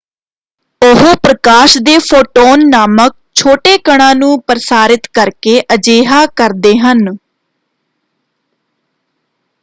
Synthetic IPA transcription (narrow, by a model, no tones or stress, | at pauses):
ʊɦoːpɾəkaːʃd̪eːpʰoːʈoːnːaːmək̚t͡ʃʰoːʈeːkəɽ̃ãːnũːpɾsaːɾɪt̪kəɾkeːʔəd͡ʒeːɦaːkəɾd̪eːɦən